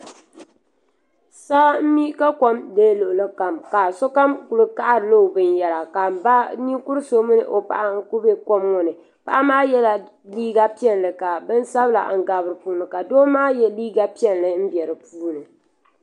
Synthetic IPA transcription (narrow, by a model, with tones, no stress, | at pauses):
saː˦m̩˦mi˦ka˦ko˦mdeː˦lʊ˨ʔʊ˨lɨ˦ka˨mka˨so˦ka˦mku˨lɨ˦ka˦ʔa˦ɾɨ˨lo˦˨bɨ˨njɛ˨la˨ka˨m˨ba˦ni˦ku˦ɾɨ˦so˦mɨ˦nɨ̰˨ʔo˨pa̰˨ʔa˦ku˦be˦ko˦mŋʊ˨nɨ˨ | pa̰˦ʔa˦maː˦jɛ˦la˨ | liː˦ɡa˦pi˦ɛ˦nlɨ˨ka˨bɨ˦n˦sa˦bɨ˦la̰˨ŋ̩˦˨ɡa˨bɾɨ˨puː˦˨nɨ˨ka˨doː˦maː˦jɛ˦liː˦ɡa˦pi˦ɛ˦nlɨ˨m̩˦bjɛ˨ɾɨ˨puː˦nɨ˨